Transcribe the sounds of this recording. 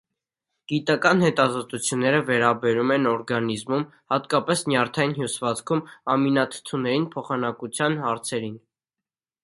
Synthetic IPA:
ɡ̥it̪ɑkɑnhɛt̪ɑzɔt̪ut͡sʰjunːɛɾəvɛɾɑbɛɾumɛnɔɾɡɑnizmum | hɑt̪kɑpɛsnjɑɾt̪ʰɑjinɦjusvɑt͡sʰkʰumɑminɑt̪ʰə̥t̪ʰunɛɾinpʰɔχɑnɑkut͡sʰjɑnɦɑɾt͡sʰɛɾin

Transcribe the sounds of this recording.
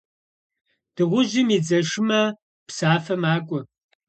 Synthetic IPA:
d̥ɨʁʷʊʒɪmid͡zɐʂɪmɐ | psaːfɐmaːkʷʼʊ

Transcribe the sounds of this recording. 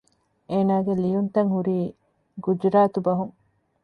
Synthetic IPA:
eːnaːɡelijunt̪ɐŋhuɾiː | ɡud͡ʒɾaːt̪ubɐɦuŋ

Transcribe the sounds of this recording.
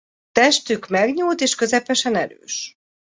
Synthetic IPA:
t̪ɛʃt̪ykmɛɡɲuːlt̪eːʃkø̞zɛpɛʃɛnɛɾø̰ːʃ

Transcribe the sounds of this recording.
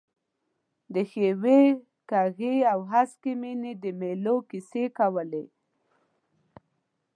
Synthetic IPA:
d̪əxewe | kaɣeawɦaskemined̪əmelokisekawəle

